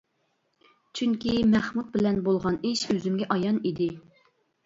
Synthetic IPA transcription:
t͡ʃʰyŋkʲimɛχmud̪̚bɪlɛnbolˠʁɑniʃøzymɡʲɛʔɑjɑnid̪ɪ

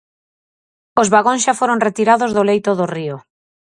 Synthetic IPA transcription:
ozβaɣõnsʃafoɾoŋret̪iɾaðozðolejt̪oðʊrio

